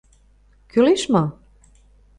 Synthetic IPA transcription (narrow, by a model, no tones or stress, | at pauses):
kyleʃmɑ